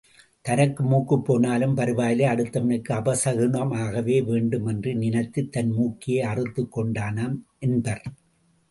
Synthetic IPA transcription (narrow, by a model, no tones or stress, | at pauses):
t̪ɐɾɐkːɯmuːkːɯpːoːnaːlɯmpɐɾɯʋaːjɪleːɐɽɯt̪ːɐʋɐnɯkːɯɐbɐsɐɣɯɳɐmaːɣɐʋeːʋeːɳɖɯmɛndrɯnɪnɐt̪ːɯt̪ːɐnmuːkːɪjeːɐrɯt̪ːɯkːɔɳɖaːnaːmʔɛnbɐɾ